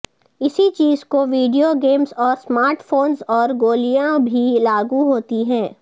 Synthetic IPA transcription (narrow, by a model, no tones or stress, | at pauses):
ɪsit͡ʃiːzkoʋiːɖijoɡeːmzɔːɾsmaːɾʈfoːnzɔːɾɡoːlijãbʱilaːɡuɦoːt̪iɦɛ̃ː